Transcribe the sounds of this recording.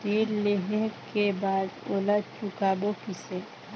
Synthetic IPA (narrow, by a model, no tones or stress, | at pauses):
diːɾleɦẽkebaːd̪oːləd̪̚t͡ʃʊkaːbokɪse